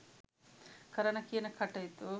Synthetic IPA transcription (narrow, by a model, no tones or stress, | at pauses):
kɐɾɐnɐkiːnɐkʰɐʈːɐjt̪u